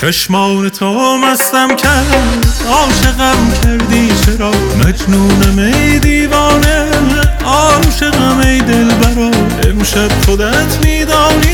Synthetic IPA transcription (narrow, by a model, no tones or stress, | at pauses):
t͡ʃʰæʃmɒːwnet̪ʰomæst̪æmcʰæ | ɒːʃeɣæbmcʰæɾd̪iːt͡ʃʰeɾɒː | mæd͡ʒnuːnæmejd̪iːvɒːne | ɒːɾʃeɣæmejd̪elbæɾɒː | ḛmʃæb̥̚χod̪æt̪ʰmiːd̪ɒːniː